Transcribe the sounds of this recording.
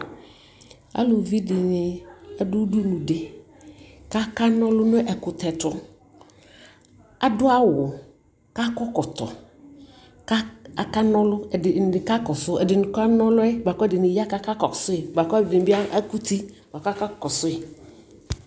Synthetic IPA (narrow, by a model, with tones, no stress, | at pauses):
a̰˦lo˨vi˦dɪ˨nɪ˨ɛ˦dʊ˦du˦nʊ̃˨dɪ˨ | ka˦ka˦nɔ̃˦lʊ˦nʊ̃˦ʔɛ˨kʊ˨tɛ˨tʊ˦ | a˨dʊ˦a˦wʊ˨ | ka˦kɔ˦kɔ˨tɔ̰˨ | ka˦a˨ka˦nɔ̃˦lʊ˦ɛ˨ɪ˨ɪ˨ka˦kɔ˨sʊ˦ɛ˨dɪ˨nʊ˨ka˦nɔ̃˦lʊ˦ɛ˦˨ba˨kɔ˦ɛ˦dɪ˨nɪ˨ja˦ka˦ka˦kɔ˨sʊ˦ɪ˨ba˨kɔ˦bɪ˨dɪ˨n˨ba˦ɛ˦ku˦ti˦ | b̥a˨ka˦ka˦kɔ˨sʊ˦ɪ˨